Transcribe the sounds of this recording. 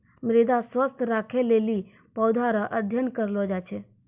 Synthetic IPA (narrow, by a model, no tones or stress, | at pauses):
mɾed̪aswəst̪ʰɾakʰeleli | pɔwd̪ʱaɾəʔəd̪ʱjənkəɾlɔd͡ʒat͡ʃʰɛ